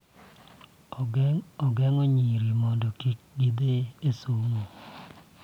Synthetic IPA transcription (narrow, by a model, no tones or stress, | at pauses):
ɔɡɛŋoɲiɾimɔdɔkik̚ɡid̪eesoŋo